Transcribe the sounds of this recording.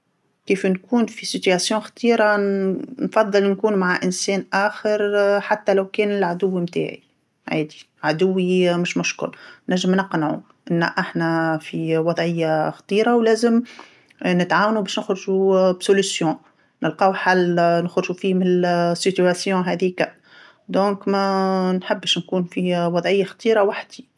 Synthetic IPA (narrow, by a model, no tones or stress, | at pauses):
kiːfnkuːnfisit̪ɥæsjɔ̃ːxt̪ˤiːɾanfɑðˤːɨlnkuːnmaʕaʔɪnsɛːnʔaːxəɾħat̪ːælæwkɛːnɪlʕad̪ʊwːimt̪a̰ːʕḭ | ʕa̰ːd̪i̥ | ʕad̪ʊwːimʊʃmʊʃkʊ̰lnæʒːəmnɑqnʕu | ʔɪn̰ːʔaħnæfiwɑd̪ˤʕɪjːaxɑt̪ˤiːɾawlɛːzəm | nɪt̪ʕaːwnubɛːʃnɪxɾʒubsʊlysjɔ̃ː | nɪlqɑːwħalnʊxɾʒufiːmɪnɪlsit̪yæsjɔ̃ːɦɛːðikamː | d̪ɔ̃ːkmɛnħɪbːʃnkuːnfiwɑðˤʕɪjːaxɑt̪ˤiːɾawaħd̪i